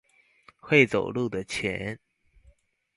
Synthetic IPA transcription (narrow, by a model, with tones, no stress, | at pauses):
xwe˥˨ɪt͡so˨˩ʊlu˥˨d̪ə˨˩t͡ɕʰjɛ̰˧˦n